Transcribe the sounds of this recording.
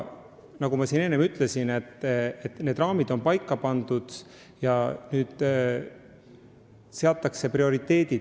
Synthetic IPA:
nɑɡ̥umɑsine̞nːemyt̪ˑle̞sine̞t̪ːˑet̪ne̞ːd̪rɑːmid̪̥o̞npɑjkːɑpɑnd̪ud̪̥ | jɑnyːd̪̥ | se̞ɑt̪ːˑɑkse̞prio̞ɾit̪ːe̞ːd̪̥id̥̪

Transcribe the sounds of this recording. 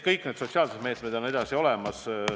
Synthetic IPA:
kɤjkne̞ːt̪so̞t̪ʲsiɑːlsed̪̥meːt̪med̪̥o̞ne̞d̪̥ɑsio̞lemɑs

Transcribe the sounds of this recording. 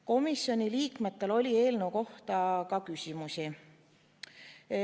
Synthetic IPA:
ko̞misːjo̞nʲiliːkme̞t̪ːe̞lo̞lʲie̞ːlnewko̞ht̪ɑkɑkysʲimusi

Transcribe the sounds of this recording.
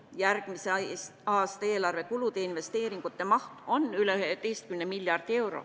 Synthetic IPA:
jærɡ̥miseɑːst̪ɑeːlɑrve̞kulut̪e̞inve̞st̪e̞ːɾiŋɡ̥ut̪ˑːemɑht̪o̞nːyleyɦet̪ejst̪̚kymnemiljɑrd̪̥ie̞wɾo̰

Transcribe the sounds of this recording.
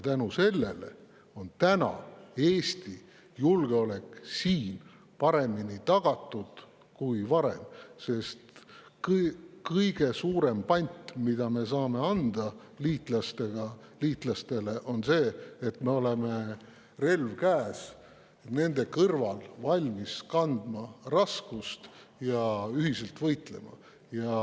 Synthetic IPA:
jjɑt̪ænuse̞lːe̞le | o̞nt̪ænɑ̰e̞ːst̪i | julɡ̥eo̞le̞ksiːn | pɑɾe̞minit̪ɑɡ̥ɑt̪ˑːud̪̥ | kujvɑɾe̞̰mse̞st̪kkɤjɡ̥e̞suːɾe̞mpɑnʲt̪mid̪ɑme̞sɑːme̞ɑnd̪̥ɑ | liːt̪ˑlɑst̪e̞ɡ̥ɑliːt̪ˑlɑst̪e̞le̞ʔo̞nse̞ːt̪ːme̞o̞le̞me̞ | re̞lvkæːs | ne̞nd̪e̞kɤrvɑlvɑlʲmiskɑnd̪̥mɑrɑskust̪jɑyɦise̞lt̪vɤjt̪le̞̰mɑ̰ | jɑ

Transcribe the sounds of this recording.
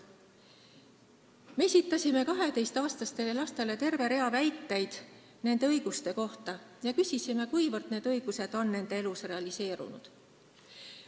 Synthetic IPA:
meesʲit̪ːˑɑsʲime̞kɑɦe̞t̪e̞jst̪ɑːst̪ɑst̪e̞lelɑst̪e̞le̞t̪e̞rve̞ɾe̞ɑvæjt̪ːe̞jd̪̥ | ne̞nd̪e̞ɤjɡ̥ust̪e̞ko̞ht̪ɑjɑkysʲisime̞kujvɤrd̪ne̞ːd̪̥ɤ̞jɡ̥use̞d̪̥o̞nːe̞nd̪̥e̞elusre̞ɑlise̞ːɾṵnṵd̪̥

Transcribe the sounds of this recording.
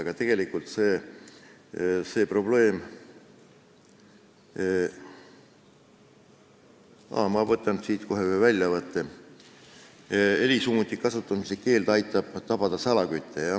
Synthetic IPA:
ɑɡ̥ɑt̪e̞ɡ̥e̞likult̪se̞ː | se̞ːpro̞ble̞ːm | ɑ̰ːmɑvɤt̪ːˑɑnsiːt̪ko̞ɦevælʲjɑvɤt̪ːe | elʲisuːmut̪ːˑikɑsut̪ːˑɑmiseke̞ːld̪ɑjt̪ːˑɑb̥t̪ɑb̥ɑd̪̥ɑsɑlɑkyt̪ʰːejɑ

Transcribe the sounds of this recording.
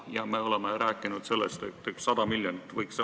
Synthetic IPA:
jɑmeo̞lemeɾæːkːˑinud̪̥se̞lːḛst̪et̪ːeksɑd̪̥ɑmiljonit̪ːvɤjks

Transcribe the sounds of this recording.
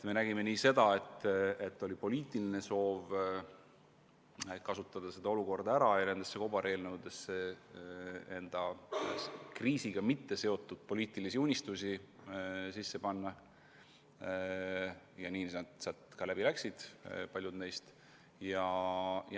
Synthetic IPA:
t̪me̞næɡ̥ime̞niːse̞d̪ɑe̞t̪ːe̞t̪ːo̞lʲipo̞liːt̪ːˑiline̞so̞ːv | kɑsut̪ːˑɑd̪̥ɑse̞d̪ɑo̞luko̞rd̪ɑæɾɑjɑne̞nd̪̥esːeko̞bɑɾe̞ːlnɤwd̪̥e̞sːe | e̞nd̪̥ɑ | kriːsiɡ̥ɑmit̪ːe̞se̞o̞t̪ːˑud̪̥̚po̞liːt̪ːˑilisiunʲist̪usi | sisːe̞pɑnːɑ | jɑniːd̪̥sɑt̪kɑlæb̥ilæksid̪̥pɑlʲjud̪ne̞jst̪ | jɑj

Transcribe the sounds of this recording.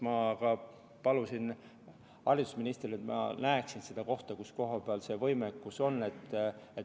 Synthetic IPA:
mɑkɑ | pɑlusin | hɑrid̪̥u̥sminʲist̪riet̪mɑ̰næeksinsed̪̥ɑko̞ht̪ɑkusko̞ɦɑpeɑlse̞ːvɤjmekːuso̞nːe̞t̪ːet

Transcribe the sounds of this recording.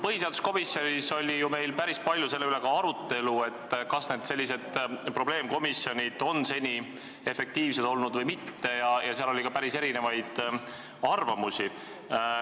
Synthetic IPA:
pɤɦiseɑd̪usko̞misjo̞niso̞lʲːijume̞jlpæɾispɑlʲjuse̞lːe̞yle̞kɑɑɾut̪ːe̞lue̞t̪ːkɑsne̞ːd̪se̞lʲːise̞d̪̥pro̞ble̞ːmko̞misːjo̞nʲid̪̥o̞nse̞nʲi | e̞fe̞k̚t̪iːvsed̪̥o̞lnud̪vɤjmit̪ːe̞jɑjɑseɑlolʲikɑpæɾise̞ɾine̞vɑjd̪̥ | ɑrvɑmusi

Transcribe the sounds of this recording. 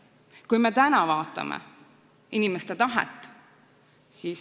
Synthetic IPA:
kujme̞t̪ænɑvɑːt̪ːˑɑ̰mʔḛ | inimest̪et̪ɑɦḛt̪ːˑ | siːs

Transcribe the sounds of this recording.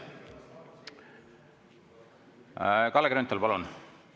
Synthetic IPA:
kɑlːɡɾont̪ːˑɑlpɑlun

